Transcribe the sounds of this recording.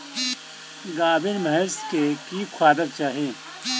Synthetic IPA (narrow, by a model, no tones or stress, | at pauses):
ɡaːbɪɾmɐɦɛɾskekikʰwaːd̪əɾ̚t͡ʃaːɦẽː